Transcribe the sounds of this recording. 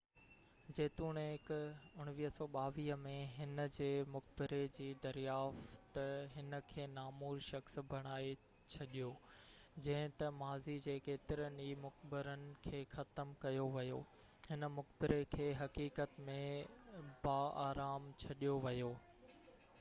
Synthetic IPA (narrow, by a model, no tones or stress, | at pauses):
d͡ʑeːt̪uːɽ̃ɦɪkʊɽ̃ʋiːɦəsɔːɓaːʋiːɦəmẽɦɪnə̆d͡ʑeːmʊkbɪɾed͡ʑiːd̪ɐɾijaːft̪ɦɪnə̆kʰeːnaːmuːɾʃɐxsbʱɐɽ̃aːe | t͡ɕʰɐɗijoːd͡ʑɐ̃ɦɪ̃t̪ɐmaːzid͡ʑeːkeːt̪ɪɾənimʊxbɪɾənɪ̆kʰeːxɐt̪əmkɐjoʋɐjo̰ː | hɪnə̆mʊkbɪɾekʰeːɦɐkiːkət̪mẽ | baːaːɾaːmt͡ɕʰɐɗijoʋɐjoː